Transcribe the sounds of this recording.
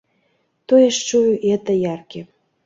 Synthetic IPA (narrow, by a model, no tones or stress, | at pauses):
t̪oeʃt͡ʃujʔet̪ə̆jɑrke